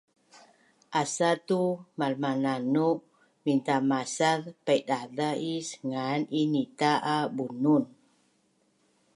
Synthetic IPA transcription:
ʔasat̪umalmananuʔ | mint̪amasaðpajdadaʔisŋaninit̪aʔabunun

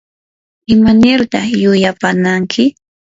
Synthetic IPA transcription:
ɪmanɪɾt̪ɑχjʊjapanaŋkʰɪ

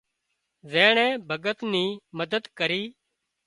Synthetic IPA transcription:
zẽːɳɛ̃ːbʱəɡət̪niːməd̪əd̪kəɾiː

